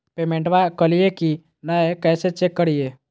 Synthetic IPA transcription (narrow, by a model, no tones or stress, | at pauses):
peːmẽɳʈʋakəlijeki | naekɛːset͡ʃekːəɽieː